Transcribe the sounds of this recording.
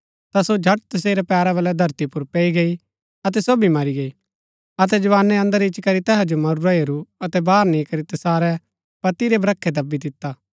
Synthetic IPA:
t̪asod͡ʒʱɐʈt̪ɐs̬eːɾɛpɛːɾaβɐlːɛd̪ʱɐɾt̪ipʊɾpɛːiɡei | ɐt̪̬ɛsoːbimɐɾiɡei | ɐt̪̬ɛd͡ʒɐʋaːnːẽɐ̃nd̪əɾɪt͡ʃkɐɾit̪ɛːɦad͡ʒomɐɾuɾaiɐɾuɐt̪ɛbaːɾnĩkɐɾit̪ɛsaːɾɛ | pɐt̪iɾebɾɐkʰːed̪ɐbːid̪ɪt̪ːaː

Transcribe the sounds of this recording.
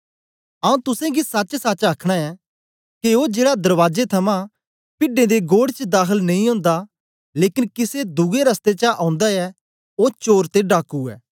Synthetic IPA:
ɐũt̪ʊsãɡisɐt͡ʃsat͡ʃaːkʰɽ̃aɛ | kiod͡ʒeːɽad̪ɐɾʋaːd͡ʒet̪ʰɐmã | pɪɖẽd̪eɡoːɽt͡ʃd̪aːxəlnɐ̃ĩɦõːnd̪a | leːkɪnkɪsed̪ʊɡeɾɐst̪et͡ʃaʔãːʊ̃nd̪aɛ | ot͡ʃoːɾt̪eɖaːkuɛ̰ː

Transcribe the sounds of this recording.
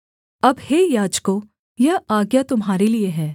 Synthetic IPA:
ɐbheːjaːd͡ʒko | jɐɦaːɡjat̪ʊmɦaːɾelieɦɛː

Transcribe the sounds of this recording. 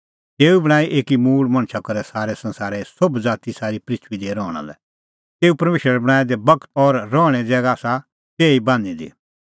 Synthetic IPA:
t̪eːubɐɽ̃aːiʔeːkimuːɭmɐ̃ɳ̃ʃakɐɾɛsaːɾɛsɐ̃nsaːɾɛsʊbd͡zaːt̪isaːɾipɾɪt̪ʰʋid̪iɾɔːɽ̃a̰lɛ̰ | t̪eːupɐɾmeːʃɾəɾɛbɐɽ̃aːed̪ɛbɐkt̪ɔːɾːɔːɽ̃ɛd͡zɛːɡaːsa | t̪eːibãːnid̪ḭ

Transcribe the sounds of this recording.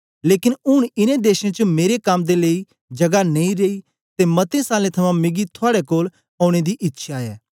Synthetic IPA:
leːkɪnʊɽ̃ɪnẽd̪eːʃẽt͡ʃmeːɾekaːmd̪eleːi | d͡ʒɐɡaneĩɾei | t̪emɐt̪ẽsaːlẽt̪ʰɐmãmɪɡit̪ʰʊaːɽekoːl | ɔːʊɽ̃ed̪iʔɪtːʃʰaeː

